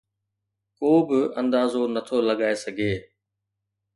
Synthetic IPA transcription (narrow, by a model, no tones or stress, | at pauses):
koːbɪɐ̃nd̪aːzonɐt̪ʰolɐɠaːesɐɡʱeː